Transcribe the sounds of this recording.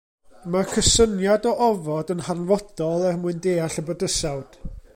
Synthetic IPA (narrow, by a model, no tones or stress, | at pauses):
makʰəsənjadɔʔɔvɔdənharnvɔd̥ɔlˠɛrmuɨndeːaɬəbədəsawd̥